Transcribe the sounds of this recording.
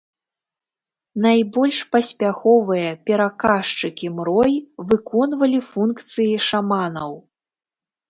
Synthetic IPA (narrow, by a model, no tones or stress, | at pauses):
najbɔlʲʂpɐsʲpʲaxɔvɨjɐpʲɛɾakaʂt͡ʂɨkʲimɾɔjvɨkɔnvɐlʲifunkt̪sɨjiʂamanɐw